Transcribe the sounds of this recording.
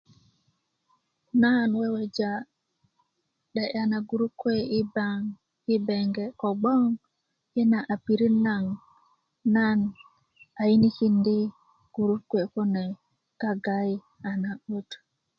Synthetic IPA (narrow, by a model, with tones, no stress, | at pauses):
na˦nwɛ˦wɛ˨d͡ʒa˨ | ɗɛ˨ʔa˨na˨ɡu˨ɾu˦kwe˦i˦baŋ | i˦bɛ˨ŋɡɛ˨kɔ˨ɡ͡bɔ˦ŋ | jɛ˦na˨ʔa˨pi˨ɾi˦na˦ŋ | na˦n | a˨i˦ni˦ki˦ndi˦ | ɡ̥u˨ɾu˦kwe˨ko˦nɛ˨ | ka˦ɡa˦ji˦ | a˨na˨ɓo˦t